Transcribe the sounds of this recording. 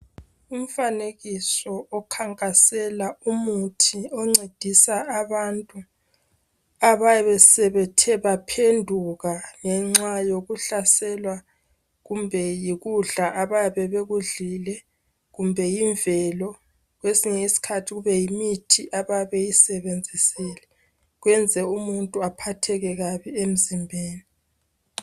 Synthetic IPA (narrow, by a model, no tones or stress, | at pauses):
um̩faneɣisɔʔɔkʰaŋkʼasɛlaumutʰiɔŋ͡ǀed̥ʱisaːβantʼu | aβajaβɛsɛβɛtʰɛβapʰendʱuɣaŋɛŋ͡ǁajoɣuɬasɛlwa | ɣumbʱɛjiɣuɮaʔaβajaβɛβeɣuɮilɛ | ɣumbʱɛjiɱvɛlɔ | ɣwesiŋɛisi̥kʰatʰiɣuβɛjimitʰiʔaβajaβejisɛβend͡zʱisilɛ | ɣwɛnd͡zʱɛumuntʼuapʰatʰɛɣɛɣaβiem̩zimbʱeːni